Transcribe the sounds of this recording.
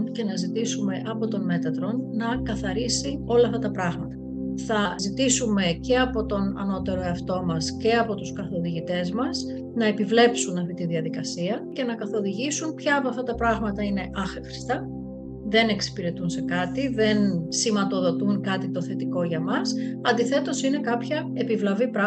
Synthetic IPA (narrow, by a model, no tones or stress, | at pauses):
nce̞nɐzit̪isume̞ʔɐpo̞t̪o̞nme̞t̪ɐt̪ɾo̞nnɐkɐθɐɾisio̞lɐɐft̪ɐt̪ɐpɾɐɣmɐt̪ɐ̥ | θɐzit̪isume̞ce̞ɐpo̞t̪o̞nɐ̰no̞t̪e̞ɾo̞eɐft̪o̞mɐsce̞ɐpo̞t̪uskɐθo̞ðiʝit̪e̞zmɐs | nɐe̞pivle̞psunɐft̪it̪iðiɐðikɐsiɐce̞nɐkɐθo̞ðiʝisunpçɐːpoɐft̪ɐt̪ɐpɾɐɣmɐt̪ɐine̞ʔɐxxɾi̥st̪ɐ | ðe̞ne̞ksi̥piɾe̞t̪unse̞kɐt̪iðe̞nsimɐt̪o̞ðo̞t̪uŋkɐt̪it̪o̞θe̞t̪iko̞ʝɐmɐsɐnd̪iθe̞t̪o̞sine̞kɐpçɐ | e̞pivlɐvipɾɐ